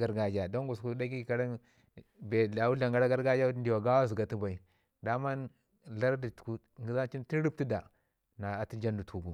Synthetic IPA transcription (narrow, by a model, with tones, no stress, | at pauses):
ɡa˦ɾɡa˦d͡ʒa˨do˦ŋɡu˨su˦da˦ɡi˦˨ka˦ɾa˦ | be˨a˨wu˦ɬa˨ŋɡa˦ɾa˦ɡa˦ɾɡa˦d͡ʒa˦ndi˨wa˨ɡa˦wa˦zu˨ɡa˨ti˦ba˨i˨ | da˦ma˦n | la˦ɾdi̥˨ku˦ | ŋɡi˦za˦n˦t͡ʃi˦n˦ti˦ɾi˦ti˦da˨ | na˨a˨ti˦d͡ʒa˦ndu˨tʰu˨ɡu˨